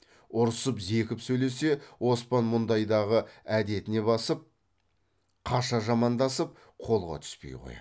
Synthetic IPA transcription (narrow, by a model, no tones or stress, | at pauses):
ʊɾəsəpze̞kʲɪpsɵjle̞se̞wo̞spɑnmʊnd̪ɑjd̪ɑʁəæd̪e̞t̪ɪne̞bɑsəp̚ | qʰɑʃɑʒɑmɑnd̪ɑsəp̚ | qʰo̞lˠʁɑ̰t̪ʰʏ̥spe̞̰jʁo̰j